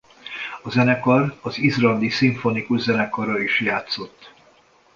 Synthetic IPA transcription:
ɒzɛnɛkɒrɒzizlɒnd̪isiɱfo̞nikuʒzɛnɛkɒrɒiʃjaːt̪so̞t̪ː

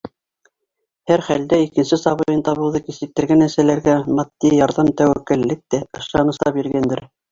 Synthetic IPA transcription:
hæɾχæld̪æikɘ̆nsɘsɑβɤ̆jɤnt̪ɑβɤ̆lˠɤkisɘ̆k̚t̪ːɘ̆ɾɡænæsælæɾɡæmɑt̪ːijɑɾðɑmt̪æwækːɘ̆lːɘk̚t̪æɤ̆ʃɑnɤ̆slˠɑpjĭɾɡænd̪ɘɾ

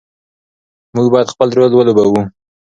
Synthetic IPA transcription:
muɡbɑjad̪xpəlɾolwəlobawu

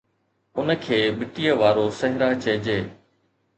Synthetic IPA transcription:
ʊnəkʰeːbɪʈijəʋaːɾosɐɦɪɾat͡ɕɐɦd͡ʑeː

